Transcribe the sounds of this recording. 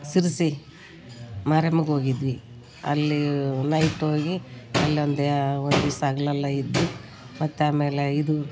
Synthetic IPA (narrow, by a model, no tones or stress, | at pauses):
siɾisi | maːɾemɡo̞ːɡid̪ʋi | ɐ̰lːinɐjʈo̞ːɡiɐlːiond̪ond̪usaɡlɐlːɐid̪ʋu | mɐt̪ːeaːme̞ːleid̪u